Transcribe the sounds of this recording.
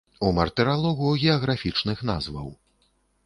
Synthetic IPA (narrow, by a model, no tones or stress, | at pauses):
umɐrt̪ɛɾalˠɔɣuɣʲɛɐɣɾafʲit͡ʂnɨxna̰zvɐ̰w